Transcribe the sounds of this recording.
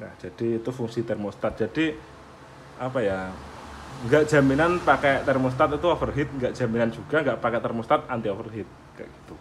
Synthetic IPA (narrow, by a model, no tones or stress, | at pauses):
na̰hd͡ʒ̥ad̥iːt̪ufuŋsit̪ɛrmost̪at̪̚d͡ʒ̥ad̥i | apaja | ŋɡaʔd̥ʒ̥a̤minanpakɛt̪ɛrmos̬t̪at̪it̪uɔfərɦɪt̪̚ŋɡaʔd͡ʒ̥a̤minand͡ʒuɡaŋɡaʔpakɛt̪ɛrmost̪at̪̚ant̪iɔfərɦit̪̚ | ka̰ɡ̥i̥t̪u